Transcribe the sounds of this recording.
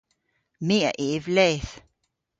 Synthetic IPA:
meɐʔeʋlɛːθ

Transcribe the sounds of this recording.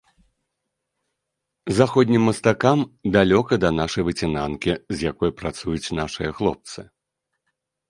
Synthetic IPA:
zaxɔd̪ʲnʲimːɐst̪akamd̪alʲɔkɐd̪ɐnaʂɐjvɨt͡sʲinankʲizjakɔjpɾat̪sujut͡sʲnaʂɨjɐxlˠɔ̰p̚t̪sɨ

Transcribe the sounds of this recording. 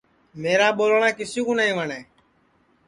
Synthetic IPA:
meːɾaːɓoːlɳãːkɪsĩːkũːnaĩːʋəɳeː

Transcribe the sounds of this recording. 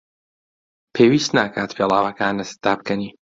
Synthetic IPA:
pʰeːwiːst̪naːkʰaːt̪pʰeːlˠaːwɐkaːnɨsd̪̥aːb̚kɐniː

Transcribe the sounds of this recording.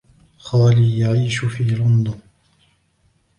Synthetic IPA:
xaːliːjaʕiːʃʊfiːlʊnd̪ʊn

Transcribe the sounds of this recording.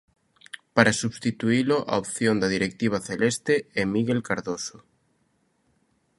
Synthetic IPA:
paɾasuβst̪it̪uilʊʔa̰opθjond̪ɐðiɾek̚t̪iβ̞aθelest̪eɛmiɣelkaɾðoso

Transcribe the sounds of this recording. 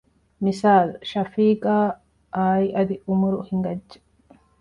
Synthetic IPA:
mɪsaːlʃɐfiːkʼaː | ʔaːjɪʔɐd̪ɪʊmʊɾʊhɪŋɡɐd͡ʒːɛ̥

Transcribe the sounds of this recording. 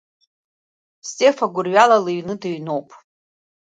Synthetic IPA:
stʼefaɡʷʊrɥalalɨɥnɨdɨɥno̞wpʼ

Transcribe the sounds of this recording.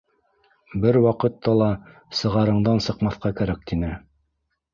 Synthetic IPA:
bɘɾwɑqɤ̆t̪ːɑlˠɑ | sɤ̆ʁɑɾɤ̆ɴd̪ɑnsɤ̆qmɑθqɑkæɾæk̚t̪inɘ

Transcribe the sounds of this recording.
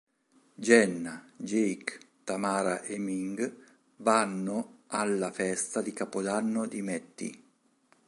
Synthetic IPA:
d͡ʒɛnːad͡ʒejk | t̪amaːɾaʔɛmiŋɡ | vanːʊalːafɛst̪ad̪ikapod̪anːʊd̪imɛt̪ːḭ

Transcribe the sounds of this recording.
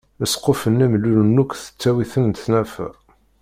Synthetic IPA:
əsqofənːæmlːulənːukʷθə̥t͡sːæwiθənt̪næfæ̰

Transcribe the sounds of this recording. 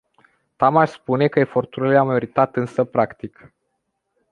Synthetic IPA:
t̪amaʃspune̞kəefo̞rt̪uɾileamajoɾit̪at̪ɨnsəpɾakt̪ik

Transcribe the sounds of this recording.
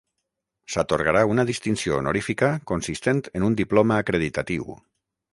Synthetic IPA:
sat̪oɾɣaɾaunað̞ist̪insionoɾifikakonsist̪ent̪enund̪iplomaːkɾeð̞it̪at̪iw̰

